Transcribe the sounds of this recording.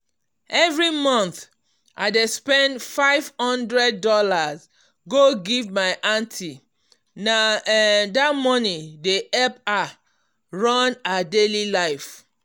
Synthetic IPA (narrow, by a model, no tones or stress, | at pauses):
ɛvɹimɔ̃nθ | ʔa̰ɪdespɛ̃ndfaɪv̥hɔ̃ndɹɛd̚ːɔlaz | ɡoɡivmaɪʔãntʰi | na | datmɔnideʔɛpa | ɹɔnadelilaɪf